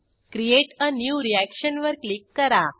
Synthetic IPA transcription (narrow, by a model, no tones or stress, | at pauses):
kɾieʈənjuɾiækʃənʋəɾklikːəɾa